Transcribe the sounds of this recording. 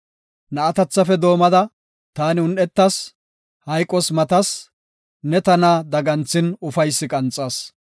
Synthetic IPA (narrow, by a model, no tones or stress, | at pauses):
nɐːɐt̪ɐt͡sːɐfɛd̪o̞ːmɐd̪ɐ | t̪aːnɪʊnʔɛt̪ːɐs | hɐjkʼːɔsmɐt̪ɐs | nɛt̪ɐnaːd̪ɐɡɐnt͡sːɪnʊfɐjsːɪkʼɐnt͡sʼːɐːs